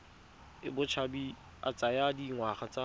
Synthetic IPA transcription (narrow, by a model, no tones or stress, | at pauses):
ɪbʊt͡ʃʰabi | a̰t͡sʼajadiŋwaχat͡sʼa